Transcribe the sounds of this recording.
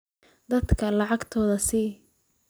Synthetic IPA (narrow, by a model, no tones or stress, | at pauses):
d̪ɐd̪kʰɐlɑʕɑɡt̪ʰɔːðɐsiː